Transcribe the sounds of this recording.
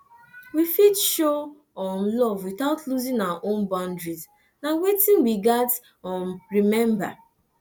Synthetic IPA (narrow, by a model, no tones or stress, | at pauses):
wifitʃo | ɔ̃nlɔvwiθaʊtluzĩŋawaʔõnbãndɹiz | nawetĩnwiɡat | ɔ̃nɹimɛ̃mba̰